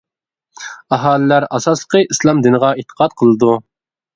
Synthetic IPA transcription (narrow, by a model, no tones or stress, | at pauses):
ɑɦɑːlɪlæɾɑsɑslˠə̥qʰəʔislˠɑmd̪ɨnəʁɑit̪ʰːə̥qʰɑt̪̚qʰəlˠɨd̪u